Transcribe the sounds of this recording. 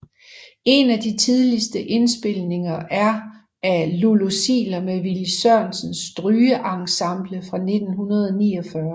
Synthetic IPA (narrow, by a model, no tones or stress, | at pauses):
e̝næd̥it͡sʰið̞ˠlisd̥əʔe̝nsb̥e̝lne̝ŋɐʔæɐ | ælolosḭːlɐmeʋilsɶɐ̰nsənsd̥ʁyːəʔɑ̈ŋsɑ̈m̰b̥ləfʁɑ̈ne̝d̥n̩ɦunɐð̞ˠɒniːɒfɶɐ